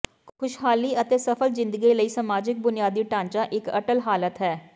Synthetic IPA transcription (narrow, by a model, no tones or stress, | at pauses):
kʰʊʃɦaːliːət̪eːsəpʰəlzɪ̃nd̪əɡiləiːsəmaːd͡ʒɪk̚bʊnɪjaːd̪iːʈãːɲt͡ʃaːʔɪkəʈəlɦaːlət̪ɦɛː